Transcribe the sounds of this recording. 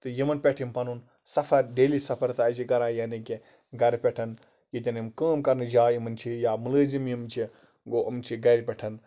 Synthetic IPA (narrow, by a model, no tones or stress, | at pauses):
t̪ɨjimɐnpʲeʈʰimpɐnun | sɐfʰɐɾɖeːlisɐpʰɐɾt̪ɨːt͡ʃʰiɡɐɾãːjɐːniki | ɡɐɾpʲɛʈʰɐn | jit̪̬ʲɐnimkaːmkɐɾnɨd͡ʒaːjimɐnt͡ʃʰijaːmuləːzimjimt͡ʃʰi | ɡoːʔɐmt͡ʃʰiɡɐɾʲpʲɛʈʰɐn